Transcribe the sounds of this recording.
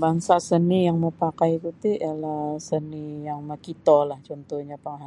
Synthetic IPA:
baŋsasənijaŋməpakajkut̪iʔəlahsənijaŋməkit̪olaht͡ʃɔnt̪ɔhɲapaŋɦa

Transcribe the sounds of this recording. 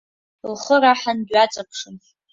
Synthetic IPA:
lχəɾaħandɥat͡sʼapʰʂɨn

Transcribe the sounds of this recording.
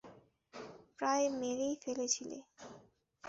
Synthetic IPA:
pɾaemeɾejfelet͡ɕʰilḛ

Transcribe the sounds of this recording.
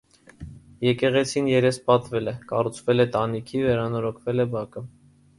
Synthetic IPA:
jɛkɛʁɛt͡sʰinjɛɾɛspɑt̪vɛlɛkɑ̰rut͡sʰvɛlɛt̪ɑnikʰivɛɾɑnɔɾɔkʰvɛlɛbɑkə

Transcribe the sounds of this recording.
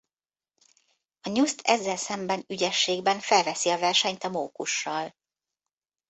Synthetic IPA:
ɒɲust̪ʰɛzːɛlsɛmbɛnyɟɛʃːeːɡbɛɱfɛlvɛsiɒvɛrʃɛɲt̪ɒmoːkuʃːɒl

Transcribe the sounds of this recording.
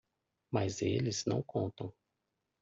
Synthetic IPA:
mazelɪznɐ̰̃w̃kʰõnt̪ɐ̃w̃

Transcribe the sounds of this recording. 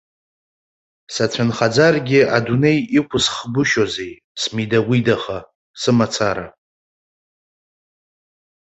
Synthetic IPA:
sat͡ɕʷʰanχad͡zarɡʲɪadune̞jikʷʰʊsχbʊʃozej | smidawʷidaχa | sɨmat͡sʰaɾa̰

